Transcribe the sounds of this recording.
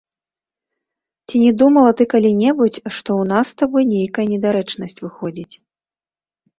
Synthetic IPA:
t͡sʲinʲɛd̪umɐlˠɐt̪ɨkalʲinʲɛbut͡sʲʂt̪ɔwnast̪abɔjnʲejkɐjɐnʲɛd̪aɾɛt͡ʂnɐsʲt͡sʲvɨxɔd͡zʲit͡sʲ

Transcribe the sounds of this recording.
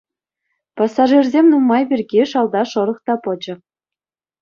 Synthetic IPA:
pɑsːɑʐirʲzʲemʲnumːɑjbʲirɡʲeʂɑlˠd̪ɑʂɤ̆ɾɤ̆χt̪ɑpɤ̆d͡ʑɤ̆

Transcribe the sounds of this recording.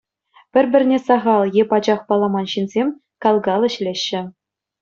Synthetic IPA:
pʲɘ̆rʲbʲɘ̆rʲnʲesɑʁɑlˠjepɑd͡ʑɑχpɑlˠɑmɑnɕinzʲemʲ | kɑlˠɡɑlʲˠɘ̆ɕlʲeɕːɘ̆

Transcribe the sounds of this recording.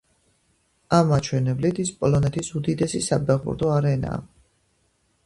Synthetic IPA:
amːat͡ʃʰwɛnɛblit̪ʰispʼɔlɔnɛt̪ʰisud̪id̪ɛsisapʰɛʁbṵɾd̪ɔaɾɛna̰ː

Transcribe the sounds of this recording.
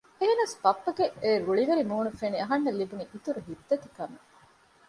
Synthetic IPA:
eɦenɐspɐpːɐɡeʔeːɾuɭiʋeɾimuːnufeniɐɦɐnːelːibuniʔːt̪uɾuɦid̪ːɐt̪i̥kɐme

